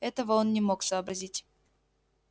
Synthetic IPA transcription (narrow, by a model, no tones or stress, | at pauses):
ɛt̪əvəonnʲɪmoksəːbɾɐzʲitʲ